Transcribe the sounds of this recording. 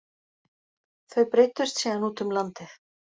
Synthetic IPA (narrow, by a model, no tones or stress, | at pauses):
θœɥpɾejt̪ʏst̪siːðanuːt̪ʏmlant̪ɪθ